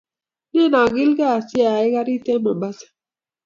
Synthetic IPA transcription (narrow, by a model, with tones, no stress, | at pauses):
ne˦˨na˨ɡi˦lka˦a˨si˦a˨i˦ka˦ɾi˦tɛ˦ma˨ba˦sḁ˦